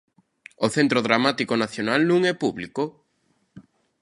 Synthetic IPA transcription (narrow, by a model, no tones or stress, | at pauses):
oθent̪ɾoðɾamat̪ikonaθjonalnũŋɛpuβliko